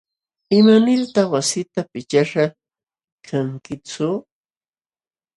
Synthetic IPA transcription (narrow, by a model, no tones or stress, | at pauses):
ɪmanɪɾt̪aχwasɪt̪apɪt͡ʃaʃa | kʰaŋkɪt͡sʊ